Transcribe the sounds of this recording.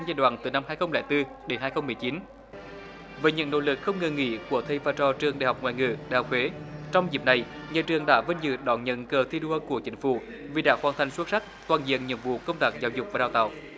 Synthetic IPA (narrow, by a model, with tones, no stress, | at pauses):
zaː˧˩jɗwa̰ː˧˨nt̪ɨ˨˩na˧mhaː˧jxə˧wŋ͡mlɛ̰˧˩jt̪ɨ˧ | ɗe˨˦nhaː˧jxə˧wŋ͡mmɨ˨˩əjt͡ɕi˨˦n | vəː˨˦jɲɨ̰˧˥ŋno̰˧˥lɨ˨˩k̚xə˧wŋ͡mŋə˨˩ŋḭ˧˥˦ku˧˩ət̪ʰə˧˩jvaː˧˩t͡ɕɔ˧t͡ɕɨ˨˩əŋɗa̰˨˧˨ɦa˨˩wk͡p̚ŋw̰aː˧˨jŋɨ̰˧˩ɗaː˨˩kʰwe˨˦t͡ɕɔ˧wŋ͡mzi˨˩p̚na˨˩j | ɲa̰ː˧˨t͡ɕɨ˨˩əŋɗa̰ː˧˥və˧nzɨ̰˧˨˩ɗɔ˧˩nɲə̰˧˨nkəː˨˩t̪ʰi˧ɗu˧əku˧˩ət͡ɕï˨˦ŋ̟fṵ˧˩ | vi˨˩ɗaː˧˥˩xwaː˧˩nt̪ʰa˨˧jŋ̟swə˦˥t̚sa˦˥k̚t̪waː˨˩nzḭ˧˨ənɲɨ̰˧˥nvṵ˧˨kə˧wŋ͡mt̪aː˦˥k̚zaː˨˦wzʊ˨˩k͡p̚vaː˨˩ɗaː˧˩wt̪a̰ː˧˨w